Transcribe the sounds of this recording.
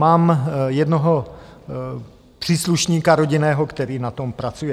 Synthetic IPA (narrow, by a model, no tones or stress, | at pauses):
maːmjɛdnoɦo̞ | pr̝̥iːsluʃɲiːkaɾoɟɪnɛːɦokt̪ɛɾiːnat̪o̞mpɾat͡sujɛ